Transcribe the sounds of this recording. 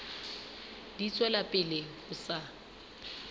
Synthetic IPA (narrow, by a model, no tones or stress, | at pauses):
dit͡sʼwɛlapʼɪlɪ | ʊsa